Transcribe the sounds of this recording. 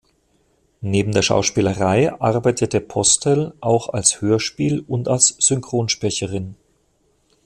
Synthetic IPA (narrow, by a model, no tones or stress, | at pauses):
neːbm̩deːɐʃa̰ʊʃpiːləʁaɪʔaʁbaɪtʰədeːɐpʰɔstʰɛlʔaʊxa̰lshøːɐʃpiːlʊntalsz̥ʏŋkʁ̥oːnʃpʁɛçəʁɪn